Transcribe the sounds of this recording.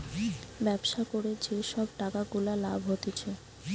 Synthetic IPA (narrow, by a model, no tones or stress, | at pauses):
bɛbʃakoɾed͡ʑeʃɔb̚ʈakaɡulalabʱɦot̪et͡ɕʰe